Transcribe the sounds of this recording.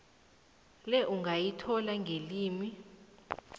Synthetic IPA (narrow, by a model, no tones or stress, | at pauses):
lɛʔuŋɡʱajitʰɔlaŋɡʱeliːmi